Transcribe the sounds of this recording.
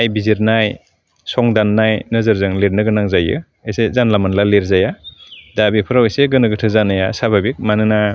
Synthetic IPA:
ajbiziɾnaj | sɔŋdanːajnɯzɯɾzɯŋleɾnɯɡɯnaŋzajɯ̰ | esezanlamanlaleɾzajadabipʰɯɾaweseɡɯnɯɡɯtʰɯzanajasabʱabik̚manɯna

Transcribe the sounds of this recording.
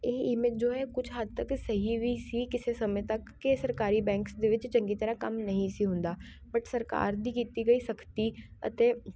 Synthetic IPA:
eːiːmɪd͡ʒoːɦɛkʊt͡ʃʰɦɐd̪̚t̪ɐksɐɦiʋisikɪsesɐmə̃t̪ɐkːesɐɾkaːɾibɛ̃ːŋksd̪eʋɪt͡ʃt͡ʃə̃ŋɡit̪ɐɾakɐmnɐɦĩsiɦʊ̃nd̪aː | bɐʈsɐɾka̰ːɾd̪ikiːt̪iɡɐisɐkʰt̪iɐ̰t̪e

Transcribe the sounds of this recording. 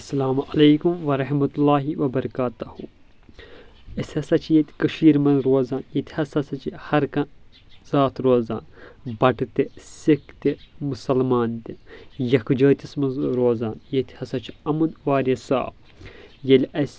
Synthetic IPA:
ɐsːɐlaːmʔɐlɐjkumʋɐɾɐɦmɐt̪ulːaːɦiʋɐbɐɾɐkaːt̪ɐhu | ɐsʲɐsɐt͡ʃʰijet̪ʲkɐʃiːɾmɐnzɾoːzaːnjet̪ʰʲihɐsɐsɐt͡ʃʰihɐɾkɐ | z̥aːt̪ɾoːza̰ːnbɐʈt̪isikt̪imusɐlmaːnt̪ijɐkʰd͡ʒəːt̪ismɐnzɾoːzaːnjet̪ʲʰhɐsɐt͡ʃʰiɐmɐnʋaːɾɐsa̰ːb | jɐlʲʔɐsʲ

